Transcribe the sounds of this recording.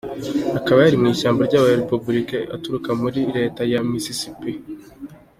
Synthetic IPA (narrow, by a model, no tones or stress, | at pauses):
akaβajaɾimŋiːʃaːmbaɾɟaːβaeɾepubuɾikeʔa̰tuɾukamuɾiɾe̞ːtajamisisipi